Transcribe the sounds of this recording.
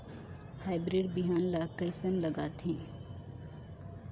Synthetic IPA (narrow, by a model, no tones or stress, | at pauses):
haːɪbɾeɖbiɦaːnlakəɪsənləɡaːt̪ʰĩː